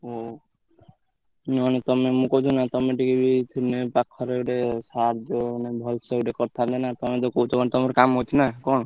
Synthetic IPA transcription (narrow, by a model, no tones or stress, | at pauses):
o | nɔnet̪ɔmemũkɔd͡ʒ̪ʰunat̪ɔmeʈikebit̪ʰunepakʰːɔɾeɡɖesaɾd͡ʒonebʱɔlseɡɖekɔɾt̪ʰad̪ɛnat̪ɔmed̪okot̪ɔɔnt̪ɔmeɾkamɦot͡ʃ̪ʰnakɔñ